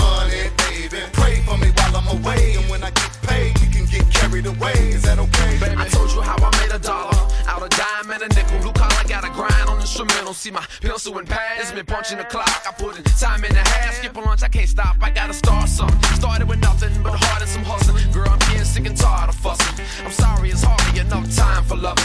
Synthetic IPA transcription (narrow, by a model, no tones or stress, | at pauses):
ʌnibeɪbɪpʰɹ̥eɪ̃fəmiwaɪlˠãməweɪɨ̃nwə̃naɪɡɛt̚pʰeɪ̃jɨkʰɨ̃nɡɛt̚kʰɛɹiðəweɪzɨɾkebaɪsõʊd͡ʒəhaʊaɪmeɪɾɨdɑlˠə˞ʔaʊɾʌvdãɪə̃mɨ̃nɨnɪkl̩ˠblukʰɑlaɪɡɑɾɨɡɹãʊ̃ndn̩ɪ̃nstɹ̥əmɛ̃ɾ̃l̩ˠsimaɪpʰɪlˠsuə̃npʰæzmɨ̃pʰʌ̃nt͡ʃɪ̃ŋɨkʰl̥ɑkaɪpʰʊɾ̃tʰãɪ̃mɨ̃nɨhæskipə˞lʌ̃nt͡ʃaɪkʰẽɪnstapaɪɡɑɾəstɑɹsʌ̃nstɑɹɾɨd̚wɨðnʌθɪ̃ŋb̥ʌt̚hɑɹɾɨ̃nsʌ̃mhʌzɨ̃nɡə˞ãɪ̃mkʰɛ̃nstɪkɨ̃ntʰɑaɾʌv̥fʌs | ãɪ̃msɑɹiɨtshɑɹiɨnʌvətʰãɪ̃ɱfə˞lʌv